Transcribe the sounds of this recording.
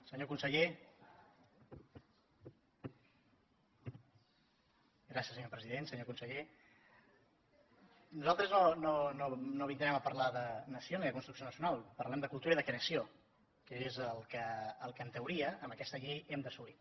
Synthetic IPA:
səɲokunsəʎe | ɡɾasiəsəɲopɾəziðensəɲokunsəʎe | nuzalˠt̪ɾəznonononoβind̪ɾɛməpəɾlaðənəsioniðəkunst̪ɾuksionəsiunalˠpəɾlɛmd̪əkulˠt̪uɾəiðəkenəsio | kəezəlˠkəəlˠkənt̪əwɾiəəmbəkɛst̪əʎejɛmd̪əsuli

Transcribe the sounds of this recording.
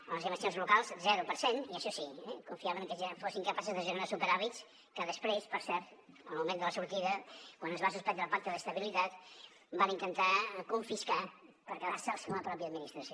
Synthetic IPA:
əlˠəzəməsionzlukalˠzzɛɾupəɾseniəʃɔsiɛkuɱfiaβənŋkəzafosiŋkəpasuzðəʒəɾɾasupəɾaβits | kəðəspɾespəɾsɛɾt̪ | əlˠmumẽnd̪ələsuɾt̪iðəkwanəzβasuspɛnd̪ɾəpak̚t̪əðəst̪əβilit̪at̪ | banint̪ənt̪akuɱfiska | pəɾkəðaɾsəlˠsəuləpɾɔpjəːd̪̚minist̪ɾəsio

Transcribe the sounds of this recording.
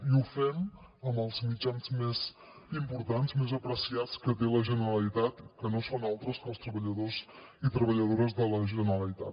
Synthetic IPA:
iufɛm | əməlˠzmid͡ʒanzmez | impuɾt̪anzmezəpɾəsiat͡skət̪̬eləʒənəɾəlit̪at̪kənosonalˠt̪ɾəskəlˠst̪ɾəβəʎəðozit̪ɾəβəʎəðoɾəzðələʒənəɾəlit̪at̪

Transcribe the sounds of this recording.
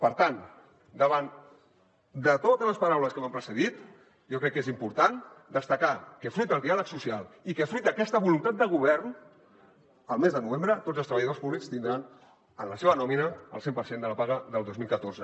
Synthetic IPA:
pəɾt̪an | d̪əβan | d̪ət̪ot̪əzləspəɾawləskəmampɾəsəðit̪ | jɔkɾɛkːezimpuɾt̪and̪əst̪əkakəfɾut̪əlˠd̪ialəksusialˠikəfɾujt̪̚dəkɛst̪əβulunt̪at̪̚d̪əɣ̞uβ̞ɛrn | əlˠmezðənuβembɾət̪odd͡zəlˠst̪ɾəβəjəðorspuβlikst̪ind̪ɾan | ənləseβənɔminəə̰lˠsempəɾsend̪ələpaɣəðəlˠd̪ozmilˠkət̪oɾzə

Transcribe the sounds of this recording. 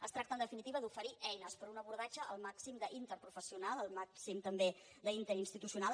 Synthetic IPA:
əst̪ɾakt̪ənd̪əfinit̪iβəðufəɾiʔɛjnəspəɾunəβuɾðad͡ʒəʔəlˠmaksimd̪əʔint̪əɾpɾufəsiunalˠəlˠmaksimt̪əmbe | d̪əint̪əɾinst̪it̪usiunal

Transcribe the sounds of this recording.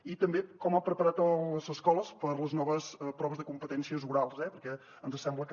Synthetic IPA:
it̪əmbekɔmapɾəpəɾat̪ələzəskɔlˠəspəɾləznɔβəspɾɔβəzðəkumpət̪ɛnsiəzuɾalˠzɛpəɾkɛ | ənzəsɛmblək

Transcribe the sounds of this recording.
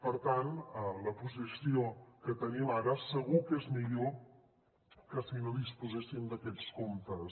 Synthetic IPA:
pəɾt̪anələpuzisiokət̪əniəlaɾəsəɣ̞ukezmiʎo | kəsinoðispuzɛsind̪əkɛt͡skomt̪əs

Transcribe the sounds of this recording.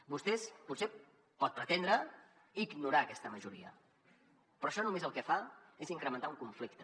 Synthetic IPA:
bust̪ɛsput̪se | pɔt̪̚pɾət̪end̪ɾə | iɡnuɾaːkɛst̪əməʒuɾiə̰ | pɾɔʃɔnumezəlˠkɛfaeziŋkɾəmə̃nt̪auŋkuɱflik̚t̪ə

